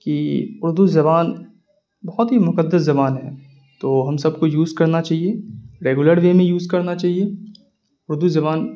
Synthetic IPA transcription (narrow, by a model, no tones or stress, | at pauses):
kiʊɾd̪uzɐbaːn | bɐɦɔt̪ɦimʊkəd̪ːəszɐbaːnɦɛː | t̪oːɦɐmsɐb̚kojuːzkɐɾnat͡ʃaːɦieɾeːɡʊləɾʋeːmẽjuːzkɐɾnat͡ʃaːɦie | ʊɾd̪uzɐbaːn